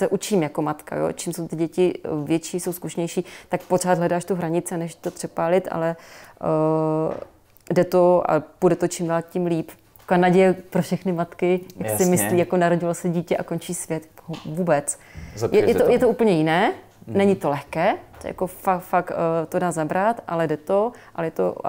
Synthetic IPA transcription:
sɛʔut͡ʃiːmjako̞mat̪ka̰jo̰ːt͡ʃimso̞wt̪ɪɟɛcɪvjɛt͡ʃiːso̞wskuʃɲɛjʃiːt̪akpor̝aːd̪ɦlɛdaːʃt̪uɦɾaɲɪt͡sɪanɛʃt̪opr̥ɛpaːlɪt̪ʔa̰lɛ | dɛt̪oa̰pudɛt̪ot͡ʃɪmdaːlcɪmliːp | koanaɟɛjɛpɾofʃɛxnɪmat̪kɪjaksɪmɪsliːjakonaɾoɟɪlosɛɟiːcɛʔako̞nt͡ʃiːsvjɛt̪vuːbɛt͡sjɛjɛojɛt̪oʔuːpl̩ɲɛjɪnɛː | nɛɲɪt̪o̞lɛxkɛːt̪oja̰kofafakt̪odaːzabɾat̪ʔa̰lɛdɛt̪oʔalɛjɛt̪o̰

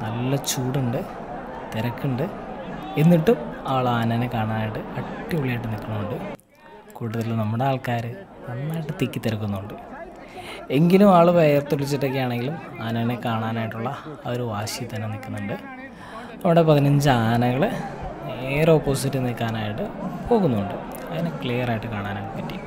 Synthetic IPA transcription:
nɐlːɐt͡ɕuːɽuɳɖɨ | t̪eɾɐkːuɳɖɨ | e̞nːiʈːumaːɭaːnɐnekaːɳaːnaːjiʈːɨɐʈːiuɭijaːjʈːɨnikʲːɐɳuuɳɖɨ | kuːɽuðɐlilnɐmːuɽe̞aːlkaːɾɨ | nɐnːaːjiʈːɨt̪ikʲːit̪ːiɾɐk̬ːunːuɳɖɨ | e̞ŋɡilumaːɭuʋejɐrt̪ːuɭit͡ɕːiʈːɐk̬ːijaːɳe̞ŋɡilum | aːnɐnekaːɳaːnaːjiʈːuɭːɐoɾuʋaːɕijɐt̪ɐnːenikʲːunːuɳɖɨ | nɐmːuɽe̞pɐðinɐɲd͡ʑɨaːnɐɣɐɭ | eroːpːoːsitːɨnikːaːnaːjiʈːɨpo̞ːɣunːuuɳɖɨ | ɐðinekɭiːjɐraːjiʈːɨkaːɳaːnaːɭpɐtːḭju

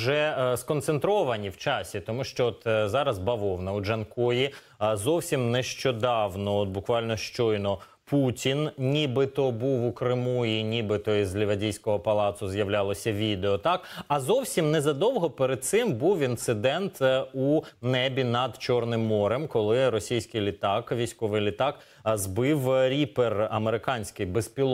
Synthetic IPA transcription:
ʒɛskɔnt̪sent̪ɾɔʋɐnʲiwt͡ʃɑsʲit̪ɔmuʃt͡ʃɔɔt̪zɑɾɐzbɐʋɔwnɐuʒɐnkɔji | zɔwsʲimnɛʃt͡ʃɔd̪ɑwnɔɔt̪̚bʊkʋɑlʲnɔʃt͡ʃɔjnɔ | putʲinnʲibɪt̪ɔbuwukɾɪmuinʲibɪt̪ɔizlʲɪʋɐdʲijsʲkɔɦɔpɐlˠɑt̪sʊzjɐʋlʲalˠɔsʲɐʋʲid̪eɔt̪ɑkɐzɔwsʲimnɛzɐd̪ɔwɦɔpeɾed̪̚t̪sɪmbuwint̪sɪd̪ɛnt̪unɛbʲinɐd̪t͡ʃɔrnɪmːɔɾɛmkɔlˠɪɾɔsʲijsʲkɪjlʲit̪ɑkʋʲijsʲkɔʋɪjlʲɪt̪ɑk | zbɪwɾʲiperɐmeɾɪkɑnʲsʲkɪjbezpʲilˠ

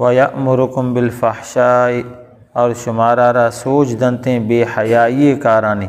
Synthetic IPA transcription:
wɐjɐʔmʊɾʊkʊmbɪlfɐħʃaː | ɔːɾʃʊmaːɾaːɾaːsoːt͡ʃʰd̪ɐnt̪ẽːbeːhɐjaːiekaːɾaːniː

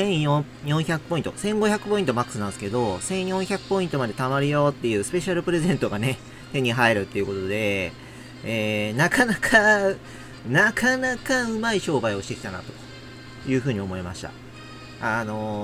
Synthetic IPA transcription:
sẽ̞ɰ̃jõ | jõ̞ɰ̃çakɯ̟̥pːo̞ĩnt̪o̞sẽ̞ŋɡo̞çakɯ̟̥po̞ĩnt̪o̞makɯsɨnãnsɨ̥ke̞d̪o̞sẽ̞ɰ̃jõ̞ɰ̃çakɯ̟̥po̞ĩnt̪o̞mad̪e̞t̪amaɾɯ̟jo̞t̪ːe̞jɯ̟ːsɨ̥pe̞ɕaɾɯ̟pɯ̟ɾe̞zẽ̞nt̪o̞ɡane̞ | t̪e̞ɲ̟iɦaeɾɯ̟t̪ːeiɯ̟ko̞t̪o̞d̪e̞ | eːnakʰanakʰa | nakʰanakaɯ̟maiɕo̞ːbaio̞ɕi̥t̪e̞kʲi̥t̪ana̰t̪o̞̥ | jɯ̟ːɸɯ̟ːɲ̟io̞mo̞ema̰ɕi̥t̪a̰ | ano̞

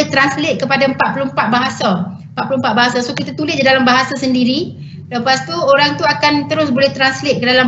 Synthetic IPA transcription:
t̪ɾanslɪt̪̚kəpadaəmpat̪̚pulompat̪̚baɦasa | mpat̪̚pulompat̪̚baɦasasokit̪at̪ulɪs̚didalambaɦasasəndiɾi | ləpast̪uoɾaŋt̪uakant̪əɾʊsbolɛht̪ɾanslɪt̪̚kədalam

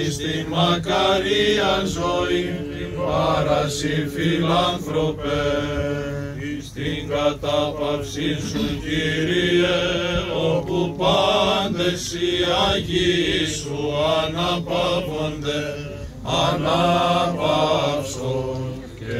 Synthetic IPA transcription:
st̪imɐkɐɾiɐzoi | ɐɾɐsifilɐnθɾo̞pe | t̪iŋɡɐt̪ɐpɐfsisuciɾieopupɐnd̪esiɐʝisuɐnɐpɐvo̞nd̪e | ɐnɐpɐfso

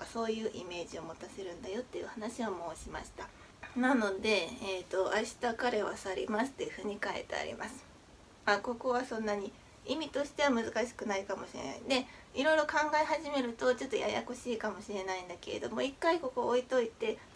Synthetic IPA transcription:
okaso̞ːjɯ̟ːʔḭme̞ːʑiomo̞t̪ase̞ɾɯ̟̃nd̪ajo̞t̪ːe̞jɯ̟hanaɕiβamo̞ːɕimaɕi̥t̪a | nano̞d̪e̞eːt̪o̞ʔaiɕi̥t̪akaɾeβa̰saɾʲḭmasɨ̥t̪ːe̞ɯ̟ɸɯ̟ːɲ̟ikaḛt̪ḛa̰ɾʲḭmasɨ̥ | ako̞ko̞βasõ̞nːaɲ̟i | imʲit̪o̞ɕi̥t̪e̞β̞amɯ̟zɨkaɕi̥kɯ̟naikamo̞ɕiɾe̞̰na̰ĩd̪e̞iɾo̞iɾo̞kãŋɡaeɦaʑime̞ɾɯ̟t̪o̞t͡ɕo̞t̪ːoja̰ja̰koɕiːkamo̞ɕiɾe̞naĩnd̪ake̞ɾe̞̰d̪o̞mo̞ikːaiko̞ko̞ːit̪o̞it̪e̞

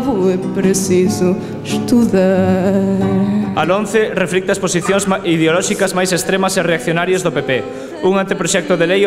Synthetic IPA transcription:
vʊɛpɾesizʊ | ʃt̪uðɐ | alõnθɪrefɾik̚t̪ɐsposiθjoŋziðeolɔʃikɐzmajsest̪ɾemɐsereak̚θjonaɾjɐzðʊpepe | uŋant̪epɾoʃɛk̚t̪ʊðelej

